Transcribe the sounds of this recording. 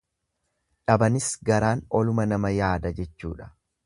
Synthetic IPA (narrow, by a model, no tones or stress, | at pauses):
ᶑɐbɐnɪsɡɐɾaːnɔlʊmɐnɐmɐjaːd̪ɐd͡ʒɛt͡ʃːṵːᶑɐ̥